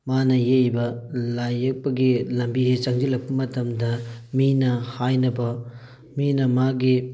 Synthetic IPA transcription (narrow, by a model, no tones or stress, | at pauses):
manɐjejbɐlajɐk̚pɐɡilɐmbiɦet͡ʃɐŋd͡ʒilɐk̚pɐmɐtɐmdɐminɐhajnɐbɐ | minɐmaɡi